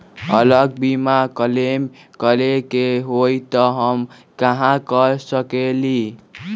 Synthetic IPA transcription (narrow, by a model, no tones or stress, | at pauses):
ʌ̰lʌɡ̚bimakʌlem | kʌlekeɦojt̪ʌɦʌm | kaɦãkʌsʌkeli